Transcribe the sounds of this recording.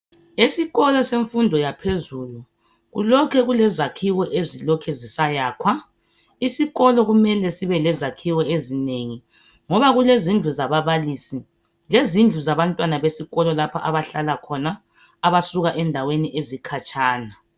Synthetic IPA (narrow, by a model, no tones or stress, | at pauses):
esiɣɔlɔseɱfundʱɔjapʰezulu | ɣṵlɔkʰɛɣulɛzakʰiwɔʔezilɔkʰɛzisajaːkʰwa | isiɣɔlɔɣumɛlɛsiβɛlɛzakʰiwɔezineŋi | ŋɔβaɣulezind͡ɮʱuzaβaβalisi | lezind͡ɮʱuzaβantʼwanaβesiɣɔlɔlapʰaʔaβaɬalakʰɔnaː | βasuɣaʔɛndʱaweniʔezikʰat͡ʃʼaːna